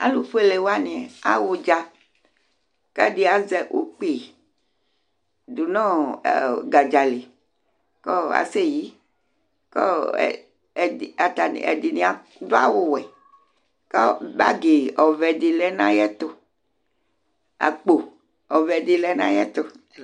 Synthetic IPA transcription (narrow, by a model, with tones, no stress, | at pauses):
a̰˦lu˨fo˦e˦le˨wa˦nĩ˨ɛ˨a̰˨wo˨d͡ʒa˦ | kɛ˦di˦a˨zɛ˨ʔo˨k͡pe˨ | du˨nɔ̃˦˨ | ɡa˨d͡ʒa˨le˨ | kɔ˦a̰˨se˦ji˦ | kɔ̰˦˨ | a˨t̪a˨nḭ˨ɛ̰˨di˨nĩ˨a˨ | do˦a̰˦wo˦wɛ˨ | kɔ˦ba̰˦ɡe˨ɔ˨vɛ˨di˨lɛ˦nã˦jɛ˦t̪o˨ | a̰˨k͡po˨ | ɔ˨vɛ˨di˨lɛ˦nã̰˦jɛ˦t̪o˨